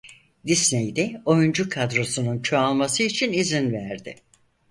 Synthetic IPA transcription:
d̪isnejd̪ɛo̞jund͡ʒukʰad̪ɾo̞sununt͡ʃʰo̞alˠmasɯit͡ʃʰinizinvæɾd̪ɪ̰

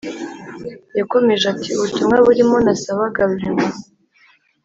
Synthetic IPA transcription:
jako̞me̞ʒatʰiβutumŋaβuɾimo̞nasaβaɡaβɾiŋo

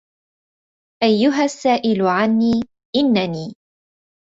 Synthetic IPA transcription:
ʔajːʊɦasːaːʔɪlʊʕanːiː | ʔɪnːaniː

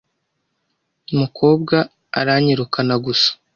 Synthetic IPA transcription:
umukʰo̞ːb̚ɡa̰ː | ɾaɲiɾukʰanaɡusḁ

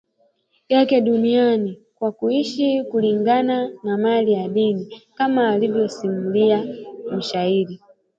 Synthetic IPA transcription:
jakɛɗunianikwakuiʃikuliŋɡananamaliaɗinikamaːlivjɔsimuliam̩ʃahiɾi

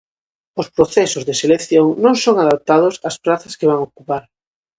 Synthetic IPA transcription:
ospɾoθesozðeselekθjoŋnõŋsoŋaðap̚t̪að̞osaspɾaθɐskeβ̞aŋokupaɾ

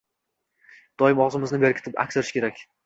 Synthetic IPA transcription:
d̪̥ɒjɪmɒwzɪmɪznɪbe̞ɾkʲʰɪ̥t̪ʰɪpa̰kʲseɾɪʃkʲeɾakʲ

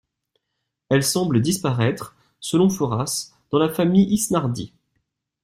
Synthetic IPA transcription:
ɛlsɑ̃bləd̪ispaʁɛt̪χ | səlɔ̃fɔʁas | d̪̥ɑ̃lafamijʔisnaʁd̪ḭ

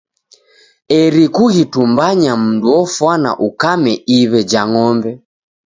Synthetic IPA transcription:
ɛɾikuɣitumbaɲam̩nduɔfwana̰ʔukamɛiβɛd͡ʒaŋɔmbɛ

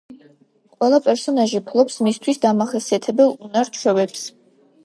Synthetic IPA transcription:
qʼwɛlˠapʼɛɾsɔnaʒipʰlˠɔpsmist̪ʰwisd̪amaχɛsiat̪ʰɛbɛlˠunaɾt͡ʃʰwɛvɛps

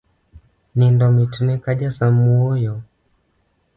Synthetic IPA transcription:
nindɔmitunɛkaʄasamuɔjɔ

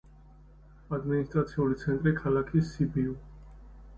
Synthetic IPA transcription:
ad̪minist̪ʼɾat̪sʰiulit̪sʰɛnt̪ʼɾikʰalakʰisibiu

